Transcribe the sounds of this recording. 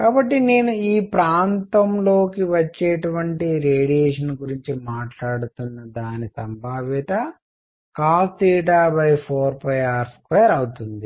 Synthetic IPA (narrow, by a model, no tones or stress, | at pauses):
kaːbɐʈːineːnuiːpɾaːnt̪ɐmlo̞ːkiʋɐt͡ʃːeːʈuʋɐɳʈiɾeːɽijeːʂɐnɡuɾiɲt͡ʃimaːʈlaːɽut̪unːɐd̪aːnisɐmbʱaːʋit̪ɐ | kaːst̪iːʈ̬aːbɐjpʰoːɾpɐjaːɾskʋeːɐɾɐwut̪und̪i